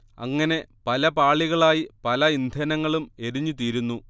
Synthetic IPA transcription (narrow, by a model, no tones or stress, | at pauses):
ɐ̰ŋːɐne̞pɐlɐpaːɭiɣɐɭaːjipɐlɐind̪ʱɐnɐŋːɐɭume̞ɾiɲːut̪̬iːɾunːu